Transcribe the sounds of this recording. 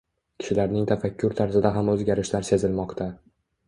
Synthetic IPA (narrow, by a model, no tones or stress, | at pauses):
kʲʰɪ̥ʃɪlaɾnɪŋt̪ʰafakʲʰːʊɾt̪ʰaɾzɪd̪aɦamɵzɡʲaɾɪʃd̪aɾsezɪlmɒqt̪ʰa